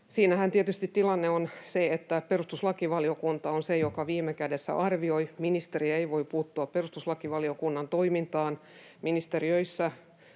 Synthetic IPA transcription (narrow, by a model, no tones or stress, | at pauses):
siːnæhænt̪iet̪yst̪it̪t̪ilɑnːeonseet̪ːæperust̪uslɑkiʋɑliokunt̪ɑonsejokɑʋiːmːˑekædesːæ̰ʔɑrʋiojminist̪eriæeiʋoippuːt̪ːuɑpperust̪uslɑkiʋɑliokunːɑnt̪oimint̪ɑːn | minist̪eriøisːæ